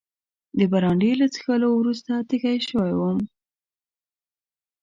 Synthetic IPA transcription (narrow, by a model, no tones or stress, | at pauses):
d̪əbaɾɑɳɖelat͡si̥xəlowɾus̬t̪at̪ixajʃəwajwəm